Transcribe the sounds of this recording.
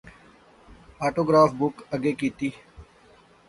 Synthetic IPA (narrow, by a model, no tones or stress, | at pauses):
aːʈoːɡɾaːfbʊkɐɡeːkiːt̪iː